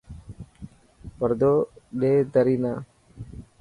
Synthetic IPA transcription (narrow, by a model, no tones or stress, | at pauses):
pəɾd̪oːɗeːd̪əɾiːnaː